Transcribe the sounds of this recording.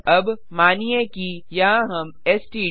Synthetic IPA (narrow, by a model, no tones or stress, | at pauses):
ɐb | maːniẽkijɐɦãɦɐm | eːsʈiː